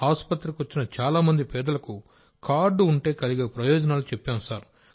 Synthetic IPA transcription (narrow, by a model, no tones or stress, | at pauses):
aːspɐt̪ːɾikiʋɐt͡ʃːinɐt͡ʃaːlaːmɐnd̪ipɛːd̪ɐlɐku | kaːɾɖuɳʈe̞ːkɐliɡeːpɾɐjɔːd͡ʒɐnaːlut͡ʃepːaːnusaːɾ